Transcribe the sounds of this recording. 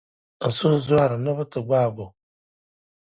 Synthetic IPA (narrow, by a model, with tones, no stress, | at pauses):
a˨sʊ˦zwa˦ɾɨ˨na˦βa˦tɨ˨ɡ͡baː˦˨bo˨